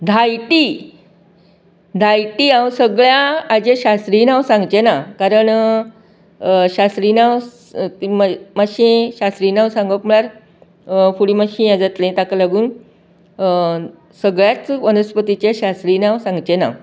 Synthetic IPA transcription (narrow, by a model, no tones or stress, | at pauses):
d̪ʱajʈi | d̪ʱajʈiãwsəɡɭjaːd͡ʑeɕast̪ɾinãwsãŋɡt͡ɕenakaɾəɳ | ɕast̪ɾinaw | t̪immaɕĩɕast̪ɾiːnãwsãŋɡəkməɭaɾ | fuɽimaɕĩad͡zat̪lẽt̪akalaɡuːn | səɡɭjat͡sʋənəspət̪it͡ɕeɕast̪ɾiːnãwsãŋɡt͡ɕena̰w